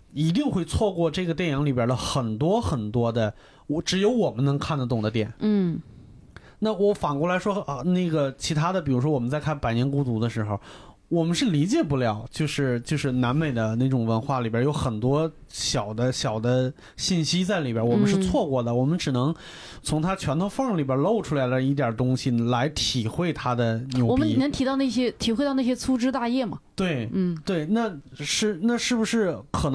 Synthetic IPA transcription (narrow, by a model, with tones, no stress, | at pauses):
i˧˥t̪i˥˧ŋxwe˥˧ɪt͡sʰwɔ˥˧kwɔ˥˧ʈ͡ʂɤ˥˩ɡə˩t̪jɛ˥˩njɑ˧˥ŋli˨˩jə˞˥d̪ə˧xə˨˩nt̪wɔ˥xə˨˩nt̪wɔ˥d̪ə˨ | wɔ˧ʈ͡ʂɻ̩˧˥jo˧˥ʊwɔ˨˩mə˦nɤ˧˥ŋkʰa˥˩nd̪ə˧˩t̪ʊ˨˩ŋd̪ə˦t̪jɛ̰˨˩˦n˥˩ | na˥˩wɔ˧˥fɑ˨˩ŋkwɔ˥˩la˧˥ɪʂwɔ˥˧na˥˩ɡə˩t͡ɕʰi˧˥t̪ʰa˥d̪ə˨p̬i˨˩ɻu˧˥ʂ̬wɔ˥wɔ˨˩mə˦nt͡sa˥˧ɪkʰa˥˩pa˨˩ɪnjɛ˧˥nku˥t͡su˧˥d̪ə˧ʂɻ̩˧˥xo˧ʊ | wɔ˨˩mə˦nʂɻ̩˥˩li˧˥t͡ɕjɛ˨˩pu˥˩ljɑ˨˩˦ʊt͡ɕjo˥˧ʊʂɻ̩˥˩t͡ɕjo˥˧ʊʂɻ̩˥˩na˧˥nme˨˩ɪd̪ə˦na˥˩ɪʈ͡ʂʊ˨˩ŋwə˧˥nxwa˥˩li˨˩bjə˥jo˧˥ʊxə˨˩nt̪wɔ˥ | ɕjɑ˨˩ʊd̪ə˦ɕjɑ˨˩ʊd̪ə˦ | ɕi˥˩nɕi˥t͡sa˥˩ɪli˨˩bjə˥wɔ˨˩mə˦ʂɻ̩˥˧t͡st͡sʰwɔ˥˧kwɔ˥˩d̪ə˩wɔ˨˩mə˦nʈ͡ʂɻ̩˨˩nɤ˧˥ŋ | t͡sʰʊ˧˥ŋt̪ʰa˥t͡ɕʰɥɛ˧˥nt̪ʰo˥ʊfɑ˥˩ŋli˨˩bə˥lo˥˩ʊʈ͡ʂʰu˥la˧˥ɪlə˧i˥˩t̪jɑ˞˨˩ət̪ʊ˥ŋɕi˨la˧˥ɪt̪ʰi˨˩xwe˥˩ɪt̪ʰa˥d̪ə˨njwɔ˨˩˦i˧˨˩nə˧˥ŋt̪ʰi˧˥t̪ɑ˧na˥˩ɕ̬jɛ˥t̪ʰi˨˩xwe˥˧t̪ɑ˥˧ʊna˥˩ɕjɛ˥t͡sʰu˥ʈ͡ʂɻ̩˥t̪a˥˧jɛ˥˩mɐ̰˩t̪we˥˩ɪ˥˩t̪we˥˩ɪna˥˧ʂɻ̩˥˩na˥˧ʂɻ̩˥˩bu˩ʂɻ̩˥˩kʰɤ˨˩n˧